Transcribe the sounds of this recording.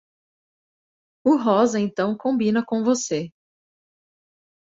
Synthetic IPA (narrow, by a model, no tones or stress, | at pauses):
ʊɦɔzɐẽnt̪ɐ̃w̃kõbĩnɐkõvose